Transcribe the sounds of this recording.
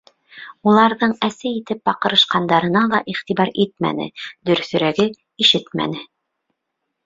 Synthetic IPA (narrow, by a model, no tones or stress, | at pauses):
ulˠɑɾðɤɴæsɘit̪ɘp̚bɑqɤ̆ɾɤ̆ʃqɑnd̪ɑɾɤ̆nɑlˠɑʔiχt̪iβɑɾit̪̚mæ̰nɘ̰d̪ɵ̆ɾθɵ̆ɾæɡɘ | iʃɘt̪mæ̰nɘ